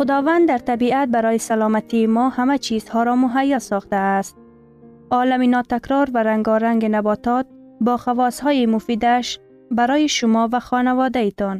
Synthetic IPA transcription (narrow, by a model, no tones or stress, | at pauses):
xʊd̪ɒvand̪d̪aɾt̪abiat̪̚baɾɒjɪsalɒːmat̪imɔhamat͡ʃʰizhɒɾɒmʊɦajːɒsɒxt̪aːst̪̚ | ɒlaminɒt̪akɾɔɾvaɾaŋɡɒɾaŋɡɪnabɒt̪ɒt̪̚ | bɒːxavɒshɔːjimʊfiːd̪aʃ | baɾɔjiʃʊmɔvaxɒnavɒd̪ait̪ɔn